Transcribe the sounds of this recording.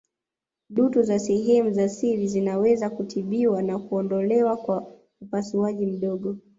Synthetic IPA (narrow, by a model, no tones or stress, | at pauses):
ɗutuzasɛɦɛmuzasiɾizinawɛzakutʰiɓiwanakuɔndɔlɛwakwa | upasuaʄim̩ɗɔɠɔ